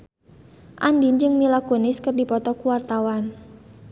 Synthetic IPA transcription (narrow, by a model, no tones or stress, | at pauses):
ʔandind͡ʒɨŋmilakunɪskɨrdipɔt̪ɔkuwart̪awan